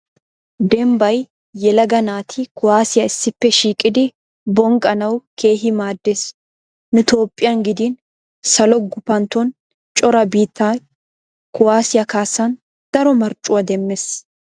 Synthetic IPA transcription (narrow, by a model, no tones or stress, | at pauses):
d̪ɛmbɐj | jɛlɐɡɐnaːt̪ʰɪkʊwaːsɪjɐɪsːɪpːɛʃiːkʼːɪd̪ɪ | bɔŋɡʼɐnɐwkʰe̞ːɦɪmaːd̪ːeːs | nʊt̪o̞ːpʼːɪjɐnɡɪd̪iːn | sɐlɔɡʊpɐnt̪ɔn | t͡ʃʼɔɾɐbiːt̪ʰːaː | kʊwaːsɪjɐkaːsɐn | d̪̥ɐɾɔmɐɾt͡ʃʼʊwɐd̪ɛmːɛs